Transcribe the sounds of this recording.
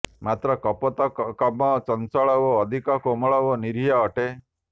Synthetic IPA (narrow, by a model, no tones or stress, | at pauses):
mat̪ɾɔkɔpɔt̪ɔkɔmɔt͡ʃɔnsɔɭɔwɔːd̪ʱikɔkomɔɭɔwɔniɾijaɔʈe